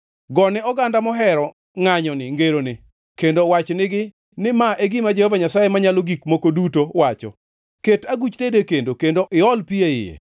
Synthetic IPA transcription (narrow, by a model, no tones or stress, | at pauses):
ɡɔnɛɔɡandamɔɦɛɾɔ | ŋaɲɔnɪŋɡeɾonɪ | kendowat͡ʃnɪɡɪ | nɪmaʔeɡɪmad͡ʒehɔvaɲasajemaɲaloɡikmokodutowat͡ʃɔ̰ | ketaɡut͡ʃtedekendokendoʔɪɔlpieɪ̰jḛ